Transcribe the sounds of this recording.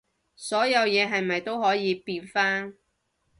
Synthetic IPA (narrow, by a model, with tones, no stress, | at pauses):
sɔː˨˥jɐ˨˧wjɛː˨˧ɦɐ˨jmɐ˨jt̪o˥wɦɔː˨˥jiː˨˧piː˧nfaː˥n